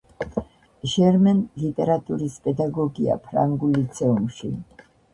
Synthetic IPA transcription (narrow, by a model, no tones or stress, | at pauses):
ʒɛɾmɛnlit̪ʼɛɾat̪ʼuɾispʼɛd̪aɡɔɡia̰pʰɾa̰ŋɡulit̪sʰɛumʃḭ